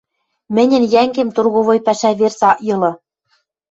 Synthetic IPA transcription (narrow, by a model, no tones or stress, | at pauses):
mɘ̆nʲɘ̆njæŋɡemt̪urɣoβojpæʃæβersɑʔjɤ̆lɤ̆